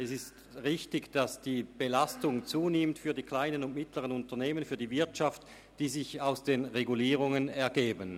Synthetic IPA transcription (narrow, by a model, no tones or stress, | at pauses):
ɛsɪst | ʁɪçtɪɡd̥asd̥iːb̥elastʊŋt͡suːnɪmtfyːɐdiːkʰl̥aɪnənʊntmɪtləʁənʊntɐneːmənfyːɐdiːvɪɐtt͡ʃaft | d̥iːzɪçaʊsd̥eːnʁeɡuliːʁʊŋənɛɐɡeːbən